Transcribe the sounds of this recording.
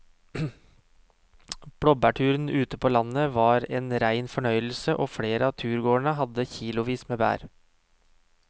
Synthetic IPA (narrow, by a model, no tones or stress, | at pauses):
b̥ɽɔbæʈʰʉːɾnʔʉːt̪əpʰoːlɑnəʋɑːɾeːnɾæɪnfɔɳœʏl̩səʔoːfɽeːɾəɑːt̪ʰʉːɾɡoːɳəhɑd̪əçiːlʊʋiːsmeːbæ̰ːɾ